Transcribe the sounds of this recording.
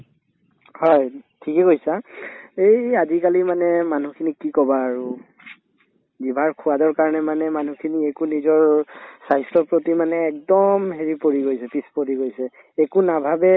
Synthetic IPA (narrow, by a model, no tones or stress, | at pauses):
hɔjtʰikɛɡojsaejazikalimanɛmanukʰinikikɔbaːɹu | zibʱaɹkʰʊadɔɹkaɹɔnɛmanɛmanukʰiniekunizɔɹsajstɔpɹotimanɛːk̚dɔmɦeɹipoɹiɡojsɛpispoɹiɡojsɛ | ekunabʱabɛ